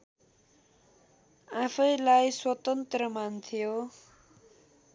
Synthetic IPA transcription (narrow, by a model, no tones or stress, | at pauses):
ãpʰʌjlajswʌt̪ʌnt̪rʌmant̪ʰijo